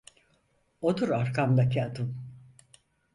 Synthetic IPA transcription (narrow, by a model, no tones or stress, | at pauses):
od̪uɾaɾkʰamd̪acʰiad̪ɯm